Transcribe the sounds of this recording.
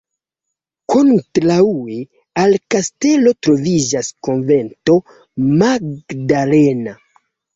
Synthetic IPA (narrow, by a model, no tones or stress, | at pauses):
kʰontɾaue | alkaste̞lo̞tɾo̞vid͡ʒaskonve̞nto̞ | maɡdalena